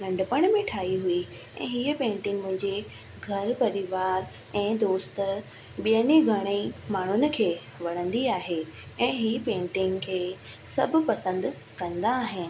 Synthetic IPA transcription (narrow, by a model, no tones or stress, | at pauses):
lɐ̃ɳɖəpəɽ̃mẽʈʰaːɦiɦui | ɛ̰̃ːɦiːəpẽːɳʈɪ̃ŋɡmʊ̃ɦɪ̃ɲd͡ʑe | ɡʱɐɾpɐɾɪʋaːɾ | ɛ̃ːd̪oːst̪ə | ɓijəniɡʱɐɽ̃emaːɳ̤ʊnɪ̆kʰeː | ʋɐɽ̤̃ə̃nd̪iaːɦeɛ̃ːɦiːpẽːɳʈɪ̃ŋɡkʰeː | sɐbʱʊ̆pɐsə̃nd̪̆ | kɐ̃nd̪aːɦɪnɪ̆